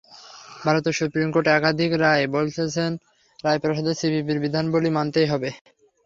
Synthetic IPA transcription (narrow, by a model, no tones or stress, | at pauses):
bʱaɾot̪eɾsupɾimkoɾʈeɛkad̪ʱikɾaebolt͡ɕʰet͡ɕʰen | ɾaepɾoʃod̪osibʱipiɾbid̪ʱanbolimant̪ejɦɔbe